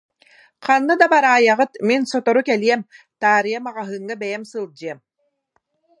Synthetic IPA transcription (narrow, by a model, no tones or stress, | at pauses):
qanːɯd̪abaɾaːjaʁɯt̪minsɔt̪ɔɾukɛliɛm | t̪aːɾɯjamaʁaɦɯːŋːabɛjɛmsɯlˠd͡ʑɯɛm